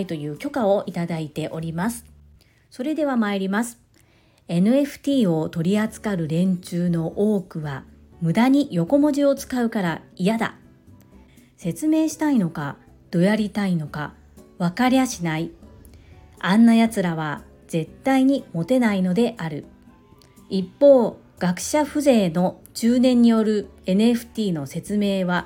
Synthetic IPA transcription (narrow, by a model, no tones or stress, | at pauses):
it̪o̞jɯ̟ːkʲo̞kao̞ʔit̪ad̪ait̪e̞ʔo̞ɾʲimasɨ̥ | so̞ɾe̞d̪e̞βamaeɾʲimasɨ̥ | e̞nɯ̟e̞ɸɯ̟̥t̪ʲiːo̞t̪o̞ɾʲiat͡sɨ̥kaɾɯ̟ɾẽ̞ɲ̟t͡ɕɨːno̞ʔo̞ːkɯ̟βa | mɯ̟d̪aɲ̟ijo̞ko̞mo̞ʑio̞t͡sɨ̥kaɯ̟kaɾaijad̪a̰ | se̞t͡sɨme̞ːɕi̥t̪aino̞ka | d̪̥o̞jaɾʲit̪aino̞ka | βakaɾʲiaɕinai | ãnːajat͡sɨɾaβa | z̥e̞t̪ːaiɲ̟imo̞t̪e̞naino̞d̪e̞ʔaɾɯ̟ | ipːo̞ː | ɡ̥akɯ̟̥ɕaɸɯ̟ze̞ːno̞t͡ɕɨːnẽ̞ɲ̟ːijo̞ɾɯ̟e̞nɸɯ̟̥t̪ʲiːno̞se̞t͡sɨme̞ːβa